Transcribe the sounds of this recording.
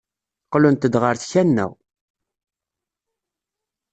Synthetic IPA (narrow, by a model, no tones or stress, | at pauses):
qlunt̪əd̪ʁəɾθçænːæ̰w